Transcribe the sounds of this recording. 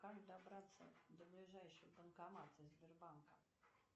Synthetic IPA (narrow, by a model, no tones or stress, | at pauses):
kaʐd̪abɾat̪sɛ̰d̪ɔblʲiʐɛjʂɨbənkamat̪ɛzʲbʲɛrbaŋka